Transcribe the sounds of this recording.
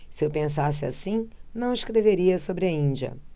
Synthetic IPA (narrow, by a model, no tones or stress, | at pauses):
sɪewpẽs̬as̬ɪa̰sĩnɐ̃w̃ɪsʃkɾeveɾiɐsobɾɪɐĩd͡ʒɐ̰